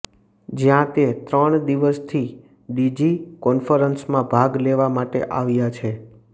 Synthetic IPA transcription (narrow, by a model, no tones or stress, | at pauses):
d͡ʒjãt̪et̪ɾəɳd̪iʋəst̪ʰi | ɖid͡ʒikɔnfəɾənsmãbʱaɡleʋamaʈḛʔaʋjat͡ʃʰe